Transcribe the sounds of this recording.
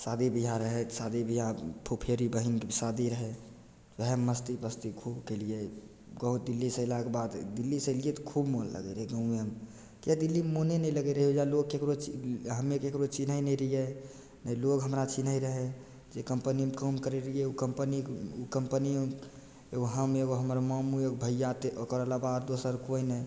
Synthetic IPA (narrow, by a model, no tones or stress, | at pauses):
sad̪ibʱiɦãɾəɦesad̪ibʱiɦãpʰopʰiəɾibəɦinkesad̪iɾəɦe | ʋɛɦɛmːəst̪ibəst̪ikʰubkelie | ɡəɦut̪̚d̪ilːisəlakebad̪d̪ilːiseliet̪ɔkʰubmollə̰ɡḛɾəɦeɡə̃ũeəm | t̪jad̪ilːimonenə̃iləɡeɾəɦiod͡ʒaloɡkekɾot͡ʃɦəmekekɾot͡ʃinɦəjnəɾəije | nəilokɦəmɾat͡ʃinəiɾəɦe | d͡ʒekəmpənimekəmkəɾeɾijeukəmpəniukəmpəni | eɡoɦəmeɡoɦəməɾmamuəkbʱəjjat̪eʔokɾəlabad̪d̪osəɾkoinəj